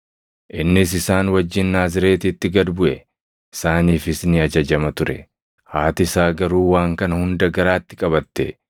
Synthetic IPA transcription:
ʔɪnːɪsɪsaːnwɐd͡ʒːɪnːaːzɪɾe̞ːt̪iːt̪ːɪɡɐd̪bʊʔɛ | ɪsaːniːfɪsnɪɐd͡ʒɐd͡ʒɐmɐt̪ʊɾɛ̰ | haːt̪ɪsaːɡɐɾuːwaːŋkɐnɐhʊnd̪ɐɡɐɾaːt̪ːɪkʼɐbɐt̪ːɛ̰

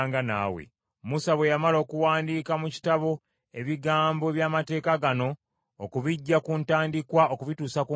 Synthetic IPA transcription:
ŋɡana̰ːwḛ | musaβwe̞jamalo̞ːkuwaːndiːkamuci̥taβo̞ | eβiɡaːmbo̞βjaːmate̞ːkaɡano̞ː | kuβiɟːakuntaːndikwaʔokuβituːsaku

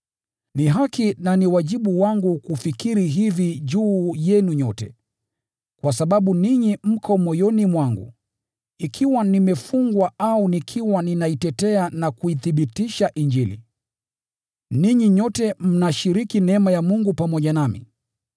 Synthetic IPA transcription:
niɦakinaniwaʄiɓuwaŋɡukufikiɾiɦiviʄuːjɛnuɲɔtɛ̰ | kwasaɓaɓuniɲim̩kʰɔmɔjɔnimwaŋɡṵ | ikʰiwanimɛfuŋɡwaaunikʰiwaninaitɛtɛanakuiθiɓitiʃaʔiɲd͡ʒilḭ | niɲiɲɔtɛm̩naʃiɾikinɛmajamuŋɡupamɔʄanamḭ

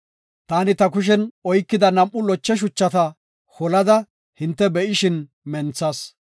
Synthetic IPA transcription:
t̪aːnɪt̪ɐkʊʃ̬ɛnɔjkːɪd̪ɐnɐmʔːʊlɔt͡ʃːɛʃ̬ʊt͡ʃːɐt̪ɐ | hɔlɐd̪ɐ | hɪnt̪ːɛbɛʔɪʃɪn | mɛnt͡sːɐːs

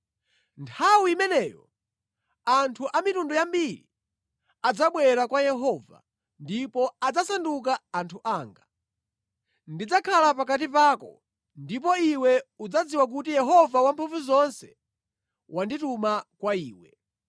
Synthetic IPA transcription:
ntʰawiimɛnɛːjɔ̰ | antʰuʔamitundɔjambiɾḭ | ad͡zaɓwɛɾakwajɛɦɔva̰ | ndipɔad͡zasanduk̬aːntʰuʔaːŋɡa | ndid͡zakʰalapakat̬ip̬aːkɔ | ndip̬ɔiwɛud͡zad͡ziwak̬utijɛɦɔvawampʰuvuzɔnsɛ̥ | wʔanditumakwaiːwɛ̰

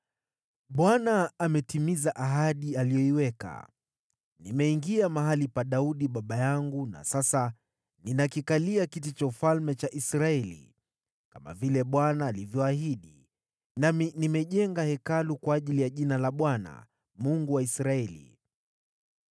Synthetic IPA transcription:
ɓwanaːmɛtimizaʔaɦaɗialijɔiwɛka̰ | nimɛiŋɡiamaɦalipaɗauɗiɓaɓajaŋɡuna̰sasa | ninakikaliakit̬it͡ʃaufalmɛt͡ʃaʔisɾaɛlḭ | kama̰vilɛɓwanaːlivjɔahiɗi | naminimɛʄɛŋɡahɛkalukwaːʄilijaʄinalaɓwana̰ | muŋɡuwaisɾaɛlḭ

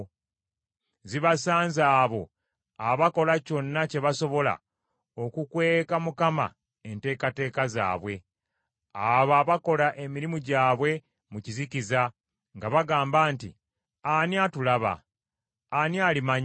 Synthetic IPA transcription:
ziβasaːnzaːβo̞ | aβako̞laco̞nːace̞βaso̞βo̞la̰ | o̞kukweːkamukama̰ | ente̞ːkate̞ːkaza̰ːβwe̞ | aβaːβako̞laʔe̞miɾimuɟaːβwe̞ | muciziciza | ŋɡaβaɡaːmbaːntḭ | aniatulaβa̰ | anialimaɲ

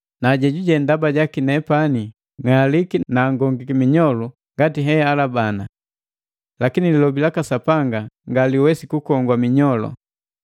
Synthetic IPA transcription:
naɟɛɟuɟɛndabaɟakinɛpani | ŋalikinaːŋɡɔŋɡikimiɲɔlu | ŋɡatiɦɛalabana | lakinililɔbilakasapaŋɡaŋɡaliwɛsikukɔŋɡwamiɲɔlɔ̰

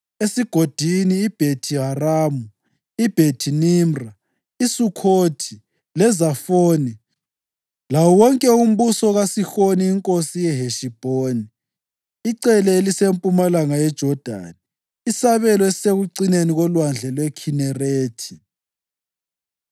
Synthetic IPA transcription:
esiɡ̥ʱod̥ʱiniːb̥ʱetʰiɦaraːmu | ib̥ʱetʰinimra | isukʰotʰi | lɛzafoːni | lawɔwɔŋkʼɛum̩βusɔɣasixoniːŋkʼosijɛɦeʃib̥ʱoniː | ǀɛlɛelisempʼumalaŋajɛd̥ʒ̥ʱɔd̥ʱa̰ni | isaβɛlɔesseɣuǀineniɣɔlwand͡ɮʱɛlwɛkʰinɛreːtʰi̥

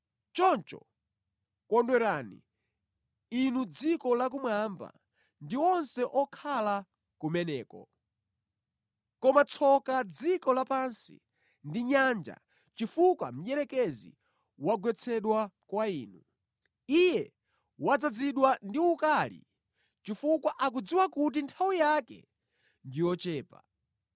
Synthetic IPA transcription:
t͡ʃɔnt͡ʃɔ̰ | kɔndwɛɾaːnḭ | inud͡zikɔlak̬umwamba̰ | ndiɔnsɛʔɔkʰala | kumɛnɛːkɔ̰ | kɔmat͡sʰɔkad͡zikɔlapansḭ | ndiɲand͡ʒa̰ | t͡ʃifukwa̰m̩jɛɾɛkɛzḭ | waɡwɛt͡sʰɛɗwakwaiːnu | ijɛ | wad͡zad͡ziɗwandiukaːlḭ | t͡ʃifukwaʔak̬ud͡ziwakut̬intʰawijakɛ̰ | ndijɔt͡ʃɛːpa̰

